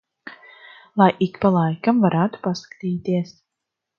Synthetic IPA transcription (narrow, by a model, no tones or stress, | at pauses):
lˠajʔikpalˠajkamvaɾʔaːt̪u̥paskḁt̪iːt̪iɛs